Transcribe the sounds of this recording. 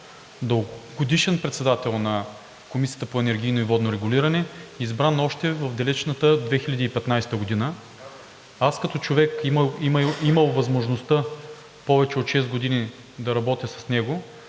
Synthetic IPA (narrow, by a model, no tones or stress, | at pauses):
d̪oɡod̪iʃɛnpɾɛt̪sɛd̪at̪ɛlˠnɐ | komisijət̪əpoɛnɛɾɡ̟ʲijnoivɔd̪noɾɛɡʊliɾɐnɛizbɾanɔʃt̪ɛvɐvd̪ɐlɛt͡ʃnət̪əd̪vɛxilʲɐd̪iːpɛt̪najst̪əɡod̪inə | askɐt̪ɔt͡ʃovɛkimiiməlˠvɐzmoʒnost̪ə | pɔvɛt͡ʃɛot̪ʃɛzɡod̪ini | d̪ɐɾɐbɔt̪ʲəsɐ̥snɛɡo